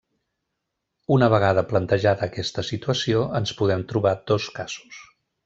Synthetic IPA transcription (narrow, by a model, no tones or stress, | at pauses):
unəβəɣ̞aðəplənt̪əʒaðəːkɛst̪əsit̪uəsioʔənspuðɛmt̪ɾuβad̪oskaz̥u̥s